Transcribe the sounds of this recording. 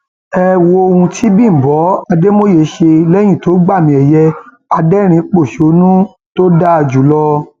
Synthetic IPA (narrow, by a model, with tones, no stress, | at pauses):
ɛ˧wo˧o˧hũ˧tʰi˦bĩ˦˨bɔ˨˦a˧de˦mo˦je˨˦ʃe˧lɛ˦j̃ĩ˦˨to˨˦ɡ͡ba˦˨mĩ˧˦ɛ˨jɛ˦ | a˧dɛ˦ɾ̃ĩ˧˦k͡po˦˨ʃe˨o˨˦nũ˦ | to˦da˦˧d͡ʒu˨lɔ˧